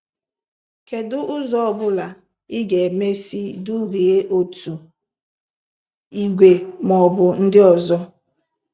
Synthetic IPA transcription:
ke˨dʊ˦ʔʊ˦zɔ˦ɔ˨bʊ˦la˨ | ɪ˦ɡe˨me˦si˦du˦ɾi˨e˦ʔo˨tu˨ | i˨ɡʷe˨mɔ˨bʊ˨n̩˦dɪ˦ɔ˨zɔ˦

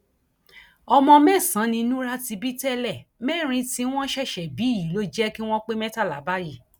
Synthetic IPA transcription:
ɔ˧mɔ̃˧mɛ˦˨sã˨˦nĩ˧nũ˦ɾa˦ti˧bi˦tɛ˦lɛ˦˨mɛ˦˨ɾ̃ĩ˧ti˧w̃ɔ̃˦ʃɛ˦˨ʃɛ˨bi˨˦˨ji˨˦lo˦d͡ʒɛ˦ki˦w̃ɔ̃˦k͡pe˦mɛ̃˦ta˦˨la˨˦ba˦ji˦˨

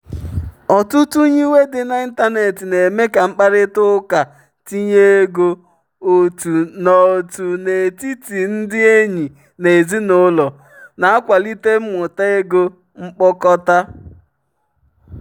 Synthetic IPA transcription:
ɔ˨tʊ˦tu˦ɲi˦we˦dɪ˨na˨i˦n˦ta˦ne˨tɪ˨ne˨me˦ka˨ŋ͡m̩˦k͡pa˦ɾɪ˦tʊ˦ka˨ | ti˦ɲe˦ɡo˦ | o˨tu˨nɔ˨o˨tu˨ne˨ti˦ti˨n̩˦dɪ˦e˦ɲi˨ | ne˨zi˦nʊ˦lɔ˨ | na˨a˦kʷa˨li˦te˦m̩˦mʊ˨ta˦e˦ɡo˦ | ŋ͡m̩˦k͡pɔ˦kɔ˦ta˦

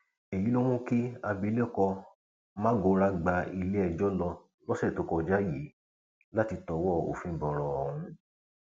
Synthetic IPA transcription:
e˨ji˨˦lo˦wũ˦ki˦a˧bi˧˦le˦˨kɔ˧ | mãː˦ɡo˨˦ɾa˧ɡ͡ba˧i˧le˦ɛ˧˨d͡ʒɔ˦lɔ˧ | lɔ˦sɛ˦˨to˨˦kɔ˧˨d͡ʒa˦ji˨˦ | la˦ti˧tɔ˨˦wɔ˦˨o̰˨fĩ˧˨bɔ˨ɾɔ˧ɔ˧˨hũ˧˦

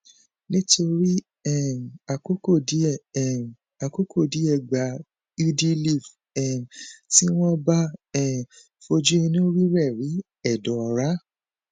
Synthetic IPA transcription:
nĩ˦to˧ɾi˦ | ɛ˦˨a˨ko˦ko˦˨di˨˦ɛ˦˨ɛ˦˨ | a˨ko˦kʰo˦˨di˨˦ɛ˦˨ɡ͡ba˨ | i˦di˦li˦˨f | ɛ˨ti˦w̃ɔ̃˦ba˦ɛ˦˨ | fo˧d͡ʒu˦i˧nũ˦ɾi˦ɾɛ˦˨ɾi˨˦ | ɛ˦˨dɔ̃˨ɔ˧ɾa˦

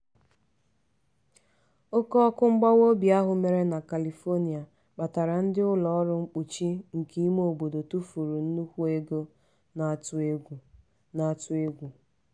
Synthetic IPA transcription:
o˦kɔ˦ɔ˦kʊ˦ŋ͡m̩˦ɡ͡ba˦wo˦bi˨a˦ɦʊ˨me˨ɾe˦na˨ka˨li˨fo˦ni˨a˨ | k͡pa˨ta˨ɾa˨n̩˦dɪ˦ʊ˦lɔ˨ɔ˦ɾʊ˦ŋ͡m̩˦k͡pu˨t͡ʃi˦ŋ̩˨ki˦m˦o˨bo˨do˨tu˦fu˨ɾu˨n̩˦nu˦kʷu˦e˦ɡo˦ | na˨a˨tʊ˦e˦ɡʷu˨ | na˨a˨tʊ˦e˦ɡʷu˨

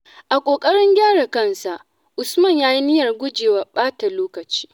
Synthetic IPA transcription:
ʔa˨kʷʼoː˨kʼɐ˦ɽɪ˦ŋɡʲaː˦ɽa˨kɐ˦˨nsa˨ʔ | ʔʊ˨smɐ˦˨ɲjaː˦ji˦nɪ˦jɐ˨rɡʷʊ˦d͡ʒeː˨wa˦ɓaː˦ta˨loː˦kɐ˨t͡ʃi̥ː˦

